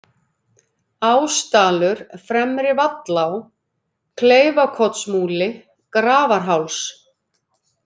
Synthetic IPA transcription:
aːwst̪aːlʏɾ̥fɾɛmɾɪvat̪law | kʰleːjvakʰɔt̪smuːlɪ | kɾaːvaɾ̥ɦawls

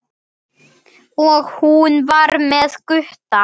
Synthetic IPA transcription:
ɔɣhunvaɾmɛðkʏht̪a

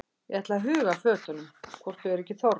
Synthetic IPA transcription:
ɛɛht̪laaɦʏːɣaflœːt̪ʏnʏmkʰvɔr̥t̪ʏɛɾɛcːɪθɔɾ

